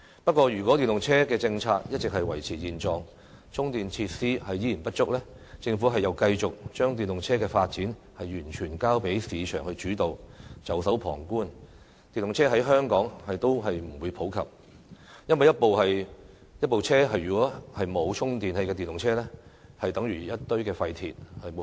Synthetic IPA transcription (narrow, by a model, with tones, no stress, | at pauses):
pɐ˥t̚kʷɔː˧jyː˨˩kʷɔ˨˥t̪iː˨nlʊ˨ŋt͡sʰɛː˥kɛː˧t͡sɪ˧ŋt͡sʰaː˧k̚jɐ˥t̚t͡sɪ˨k̚hɐ˨jwɐ˨˩jt͡sʰiː˨˩jiː˨nt͡sɔː˨˧ŋ | t͡ʃʰʊ˥ŋt̪iː˨nt͡sʰi˧t̚siː˥hɐ˨jiː˨˥jiː˨˩npɐ˥t̚t͡sʊ˥k̚lɛː˥ | t͡sɪ˧ŋfu˨˥ɦɐ˨jːɐ˨˧wkɐ˧jt͡sʊ˨k̚t͡ʃœː˥ŋt̪iː˨nlʊ˨ŋt͡sʰɛː˥kɛː˧faː˧t̚t͡siː˨˥n | hɐ˨jːyː˨˩nt͡ʃʰyː˨˩nkaː˥wpe˨˥jsiː˨˧t͡ʃʰœ̰ː˨˩ŋhɵ˧ɥt͡ʃyː˨˥t̪o˨wt͡sɐ˨˥wsɐ˨˥wpʰɔ̰ː˨˩ŋkuː˥n | t̪iː˨nlʊ˨ŋt͡sʰɛː˥ɦɐ˨˥jɦœː˥ŋkɔː˨˥ŋhɐ˨jt̪o˥wɦɐ˨jm̩˨˩wu˨˧jpʰo˨˥wkʰɐ̰˨˩p̚ | jɐ˥nwɐ˨jɐ˥t̚po˨whɐ˨j | jɐ˥t̚po˨wt͡sʰɛː˥ɦɐ˨jyː˨˩kɔː˨˥hɐ˨jmo˨˧wt͡ʃʰʊ˥ŋt̪iː˨nhe˧jkɛ˧i˨nlʊ˨ŋt͡sʰɛː˥lɛ˥hɐ˨jt̪ɐ˨˥ŋjyː˨˩jɐ˥t̚t̪ɵ˥ɥkɛː˧fɐ˧jt̪ʰiː˨t̚hɐ˨j